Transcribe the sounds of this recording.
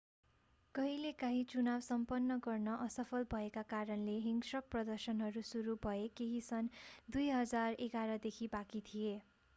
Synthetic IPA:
kʌɦilekaɦĩt͡sunabsʌmpʌnːʌɡʌrnʌʔʌsʌpʰʌlbʱʌekakaɾʌnleɦiŋɡsʌk̚prʌd̪ʌrsʌnɦʌɾusuɾubʱʌekeɦisʌnd̪ujɦʌd͡zareɡaɾʌd̪ekʰibakit̪ʰije

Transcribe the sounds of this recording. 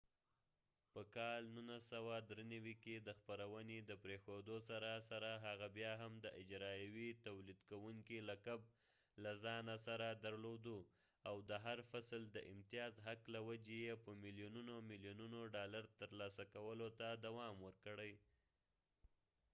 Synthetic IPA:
pəkɑlnunasawad̪ɾenawiked̪əxpaɾawəned̪əpɾexod̪osaɾasaɾaɦaɣabjɑɦamd̪əʔɪd͡ʒɾɑjawit̪awlid̪kawuŋkilakab̚ | lazɑnasaɾad̪aɾlod̪u | awd̪əɦaɾfasld̪əʔɪmt̪ijɑzɦaklawad͡ʒejepəmɪljununomɪljununoɖɑlaɾt̪əɾlɑsakawəlot̪ad̪awɑmwəɾkəɽəj

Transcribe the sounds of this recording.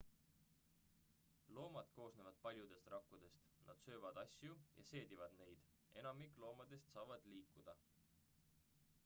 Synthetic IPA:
lo̞ːmɑd̪̥ko̞ːsnevɑd̪̥̚pɑlʲjud̪̥e̞st̪rɑkːud̪̥e̞st̪nɑ̰d̪̥sø̞ːvɑd̪̥ɑsʲjujʔɑ̰se̞ːd̪ivɑd̪̥ne̞jd̪̥ | e̞nɑmikˑlo̞ːmɑd̪̥e̞st̪sɑːvɑd̪̥liːkːˑud̪̥ɑ

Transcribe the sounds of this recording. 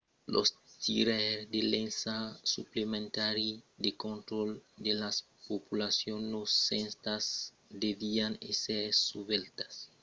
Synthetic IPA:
lʔo̰st̪iɾeɾd̪elensasuplemẽnt̪aɾid̪ekont̪ɾold̪elas | populasjonlosːenst̪as | d̪evianeseɾsuβelt̪ḁs

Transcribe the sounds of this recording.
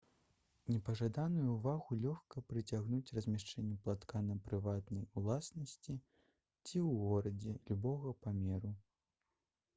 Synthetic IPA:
nʲɛpɐʐad̪anujuːvaɣulʲɔxkɐpɾɨt͡sʲaɣnut͡sʲrɐzʲmʲaʂt͡ʂɛnʲːɛplˠat̪kanɐpɾɨvat̪nɐjulˠasnɐsʲt͡sʲi | t͡sʲiwɣɔɾɐd͡zʲɛlʲubɔɣɐpamʲɛɾu

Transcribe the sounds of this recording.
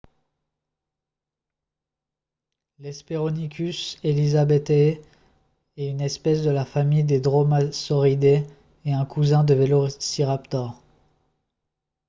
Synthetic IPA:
lɛspeʁɔnikʲyselizabɛt̪ | ɛynɛspɛsd̪əlafamijd̪ed̪ʁomasɔʁid̪eː | ɛ̃kʰuzɛ̃d̪əvelosiʁapt̪ɔʁ

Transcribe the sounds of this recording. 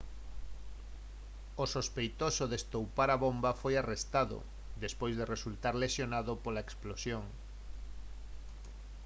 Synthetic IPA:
osospejt̪osoðest̪owpaɾaβombafojarest̪aðo̰ | d̪espojzðeresult̪aɾlesjonaðopolaeksplosjoŋ

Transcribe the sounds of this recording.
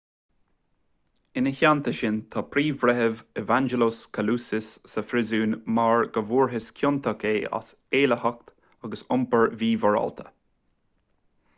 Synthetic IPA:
ɪnəçant̪ʰəʃɪnt̪ʰɑːpʰɾiːvɾɛɦəvɛvand͡ʒɛloskʰəluːsɪsːəfɾɪzuːnmaɹɡəvuːɹɦɪskʰjʊnt̪ʰəkʰeːa̰s | eːləhak̚t̪ | aɡəsʊmpəɹviːvɔɹɔ̰lt̪ʰə̥

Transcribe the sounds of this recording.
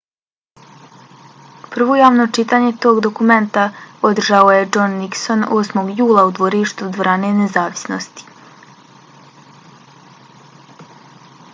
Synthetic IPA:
pr̩ʋo̞jaːʋno̞t͡ʃit̪aːɲe̞t̪o̞ːɡd̪o̞kume̞nt̪ao̞d̪r̩ʒao̞je̞d͡ʒo̞nːikso̞no̞ːsmo̞ɡjuːlˠaud̪ʋo̞ɾiʃt̪ud̪ʋoɾane̞nezaːʋi̥sno̰st̪i̥

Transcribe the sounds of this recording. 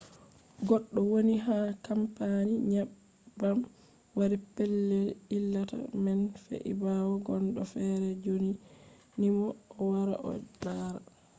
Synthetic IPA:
ɡɔɗːɔwoniɦakampaniɲab | bam | waɾipɛlːɛilːata̰mɛnfḛʔḭbawɔɡɔnɗɔfɛɾɛd͡ʒoni | nimɔːwaɾa̰ʔɔ̰daɾa

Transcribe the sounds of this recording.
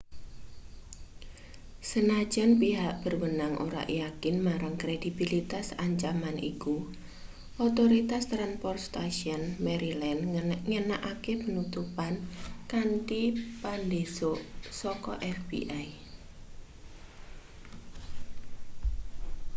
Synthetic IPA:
sənḁd͡ʒanpiɦaʔb̥ərwənaŋʔo̰ɾa̰ʔijakɪnmaɾaŋkɾed̥ibilit̪asaɲt͡ʃamanḭku | ʔɔt̪oɾit̪ast̪ɾanpɔrst̪aʃiɔnmeɾilɛnŋənaʔakepənut̪upankanʈipandesoʔsɔkɔʔɛfbḭʔaj

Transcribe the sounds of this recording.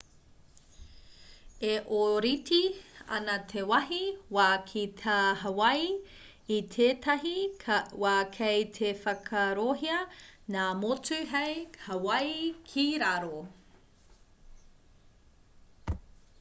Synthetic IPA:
eʔoɾitiɐ̰nɐt̪ʰewɐɦiwaːkʰit̪ʰaɦɐwɐjː | t̪ʰeːtʰɐɦiwaːkʰejt̪ʰefɐkʰɐɾoɦiɐnaːmot͡sʉɦejhɐwɐjkʰiɾaɾo

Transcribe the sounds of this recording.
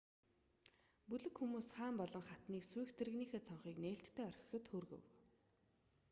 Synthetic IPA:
pɵɮɘ̆kxumuːsχaːmpɔɮɞ̆ŋχat̪niːksuj̆xt̪ʰĕɾɘ̆ɣniːxeːt͡sʰɔɴχiːkneːɬt̪ʰːeːœrʲx̆xɘ̆t̪xoːrɣɵ̰̆w

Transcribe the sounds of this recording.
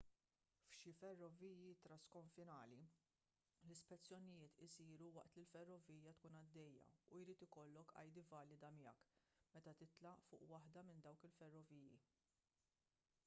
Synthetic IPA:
fʃɪfɛrːɔviːjit̪ɾɐskɔɱfɪnɐːli | lɪspɛt͡sːjɔnɪjɪːt̪ɪsiːɾuwɐʔt̪lilfɛrːɔviːjɐt̪kuːnɐd̪ːɛjːɐ̰ujɾiːt̪ɪkɔlːɔkɐ̰jd̪ɪvɐːlɪd̪ɐmɪjɛ̰kmɛt̪ɐt̪ɪt̪lɐʔfʊ̰ːʔwɐħd̪ɐmɪnd̪ɐwkɪlfɛrːɔviːjḭ

